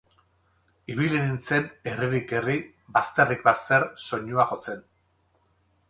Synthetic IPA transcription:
iβ̞ilenint͡se̞ne̞riɾike̞ri | bast̪erikbast̪e̞ɾso̞ɲuaxo̞t͡se̞n

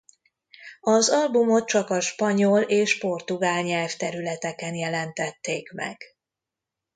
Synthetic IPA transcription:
ɒzɒlbumo̞t̪̚t͡ʃɒkɒʃpɒɲoleːʃpo̞rt̪uɡaːlɲɛlft̪ɛɾylɛt̪ɛkɛnjɛlɛnt̪ɛt̪ːeːkmɛ̰ɡ̥

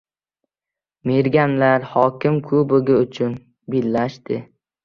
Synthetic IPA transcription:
meɾɡʲanlaɾhɒkʲɪmkʰɵbɪɡʲɪʊt͡ʃʰʊn | bilːaʃt̪ɪ

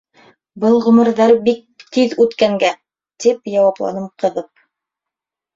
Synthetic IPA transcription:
bɤlˠʁɵ̆mɤ̆ɾðɑɾbik̚t̪iðʉt̪kæŋɡæ | t̪ipjɑwɑplˠɑ̰nɤmqɤ̆ðɤp̚

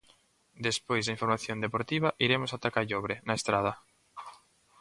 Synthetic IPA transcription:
d̪espojzðaĩɱfoɾmaθjond̪epoɾt̪iβ̞ɐʔiɾemʊsat̪akaʎoβɾenaest̪ɾað̞ɐ

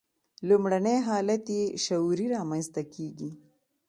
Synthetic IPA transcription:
lumɽanejɦɑlat̪jeʃawɾiɾɑmanst̪akʰeɡi

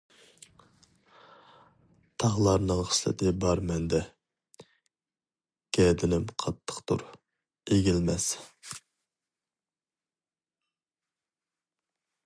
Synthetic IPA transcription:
t̪ʰɑʁlˠɑɾnɨŋχə̥ʃlɪ̰t̪ʰɪbɑɾmɛnd̪ɛ | ɡ̥ʲɛd̪ɪnɪmqʰɑt̪ʰːə̥qt̪ʰṵɾ | eɡʲilmɛs

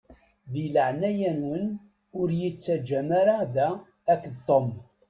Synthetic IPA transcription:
ðiləʕnæjænwən | ʊɾjit͡sːæd͡ʒæmaɾaðæː | kːðt̪ˤom

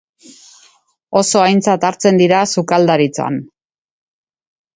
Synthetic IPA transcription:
o̞so̞ajnt͡sat̪aɾt͡se̞nd̪iɾasukald̪aɾit͡soa̰n

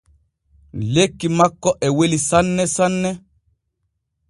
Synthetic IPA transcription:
lekːimakːɔʔɛwelisanːɛsanːɛ

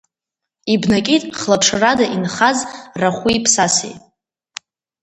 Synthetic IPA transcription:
ibnakʲʼitʼχlapʰʂʰradaʔinχazraχʷiipʰsasḛjʼ

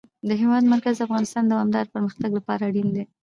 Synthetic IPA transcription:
d̪əɦewɑd̪maɾkazəafɣɑnɪst̪ɑnd̪awɑmd̪ɑɾpəɾməxt̪aɡlapɑɾaɽind̪e

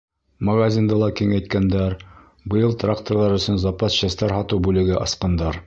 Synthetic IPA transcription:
mɐɡazʲind̪ɤlˠɑkiŋæjt̪̚kænd̪æɾ | bɤ̆jɤlˠt̪rakt̪oɾlˠɑɾɵ̆sɵ̆nzɑpɑsɕæst̪ɑɾɦɑt̪ɤwbʉlɘ̆ɡɘʔɑsqɑnd̪ɑɾ

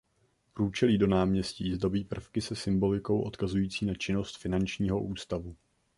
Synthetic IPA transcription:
pɾuːt͡ʃɛliːdo̞naːmɲɛsciːzdo̞biːpr̩fkɪsɛsɪmbo̞lɪko̞wʔo̞t̪kazujiːt͡siːnat͡ʃɪno̞st̪fɪnant͡ʃɲiːɦo̞ʔuːst̪avu

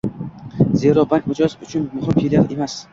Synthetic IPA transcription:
zeɾɒbaŋkmʊd͡ʒɒsʊt͡ʃʰʊnmʊhɪmfilʲeɾemas

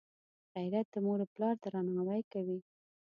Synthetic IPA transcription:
ɣajɾat̪̚d̪əmoɾoplɑɾt̪aɾɑnaawajkawi

